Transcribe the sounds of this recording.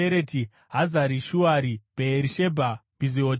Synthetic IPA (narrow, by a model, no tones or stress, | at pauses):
eɾeti | ɦazaɾiʃuaɾibeeɾiʃebʱab̥ʱiziot